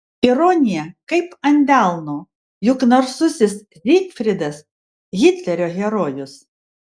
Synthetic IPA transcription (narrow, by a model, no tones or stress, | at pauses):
ɪɾoːnʲɪjɛkɐɪpɐnʲd̪ʲæˑlˠnoː | jʊknɐɾsʊsʲɪs | ɾʲik̪fʲɾʲɪd̪ɐs | ɣʲɪt̪ʲlʲɛɾʲoːɣʲɛɾoːjʊs